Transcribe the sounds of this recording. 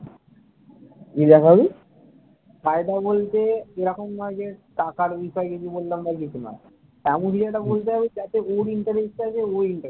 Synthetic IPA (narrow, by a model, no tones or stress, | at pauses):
kid̪ɛkʰabi | kaed̪abolt̪eeɾɔkomnɔed͡ʑeʈakaɾbiʃɔed͡ʑod̪ibolːambak̬it͡ɕʰuna̰ | amuʃiɾaʈabolt̪eɦabed͡ʑat̪eoɾiɳʈaɾesʈeat͡ʃʰeoiɳʈa